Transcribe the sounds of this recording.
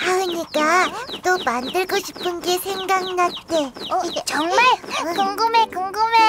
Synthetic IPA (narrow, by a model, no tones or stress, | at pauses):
haɯɲik͈at͈omandɯɭɡoɕʰipʰɯnɡe̞sʰeŋɡaŋnat͈e̞t͡ɕʌŋmaɭkuŋɡɯmekuŋɡɯme